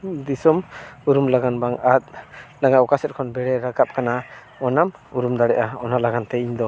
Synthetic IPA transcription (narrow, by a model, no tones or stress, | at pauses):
d̪isɔmuɾumlaɡanbaŋat̪̚laŋaɔkasɛt̚kʰɔnbɛɽɛɾaɡap̚kʰana | ɔnamuɾumd̪aɽɛʔaɔnalaɡant̪ɛiɲd̪ɔ